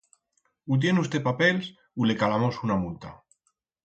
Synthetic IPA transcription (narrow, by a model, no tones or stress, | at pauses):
ut̪̬je̞neust̪epapels | ule̞kalamosunamunt̪a̰